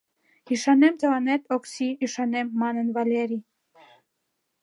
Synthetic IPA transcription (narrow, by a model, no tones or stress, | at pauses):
iʃɑnemt̪əvɑnet̪oksiːʃɑnemːɑnənvɑlʲeɾi